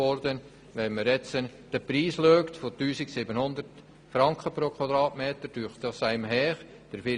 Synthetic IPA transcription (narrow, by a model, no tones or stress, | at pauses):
ɔɾd̪ən | ʋɛnməɾɛt͡sən | d̥əpɾiːsløːkt̪fotyːsɪksiːbənhʊnd̪əɾt | fɾɑŋkχəpɾoːkʰwɑd̪ɾɑːtmeːt̪əɾd̥yːχtdɑsæɪmɦɛːχ | d̥əɾfɪ